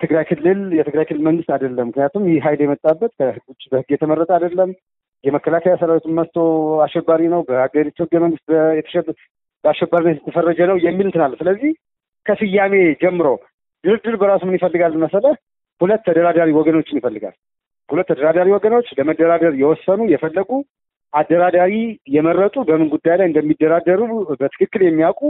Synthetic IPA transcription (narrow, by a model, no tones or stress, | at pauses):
t̪ʰɨɡɾajkʰɨlːɨljɛt̪ɨɡɾajkʰɨlːɨlməŋɡɨst̪ad̪əlːəmːɨknijat̪umjhiɦajljɛmət̪ʼːabːət̪kʰəhɨɡbəhɨɡːjɛt̪ʰəməɾːət̪ʼəad̪əlːəm | jɛməkːəlakʰajasəɾawit̪unməst̪ʰo̞aʃɛbːaɾinəwbəaɡəɾit̪ːuhɨɡːəməŋɡɨst̪bəjɛt̪ʰə̥ʃɛ | bəaʃːɛbːaɾinːət̪jɛt̪ʰːəfərːəd͡ʒənəwjɛmːilɨnt̪ʰɨnalːsɨləzːih | kʰəsɨjːame̞d͡ʒɛmːɨɾo̞̰ | d̪̥ɨɾɨd̪ːɨɾbəɾasumɨnjɪfəlːɨɡalːɨnməsələ | hulət̪ːəd̪əɾad̪aɾiwɔɡəno̞t͡ʃːɪnjɪfəlːɨɡa̰l | hulət̪ːʰəd̪əɾad̪aɾiwɔɡəno̞t͡ʃːləməd̪ːəɾad̪əɾjɛwɔsːənujɛfəlːəɡu | ʔad̪ːəɾad̪aɾijɛmərːət̪ʼubəmɨnɡud̪ːajlajɨnd̪əmːid̪ːəɾad̪ːəɾubət̪ʰɨ̥kɨkːɨljɛmːijakʼu